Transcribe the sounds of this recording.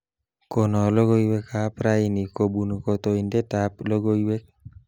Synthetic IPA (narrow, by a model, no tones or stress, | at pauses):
konɔloɡojwekapɾainikobunukot̪oindetaploɡojwek̚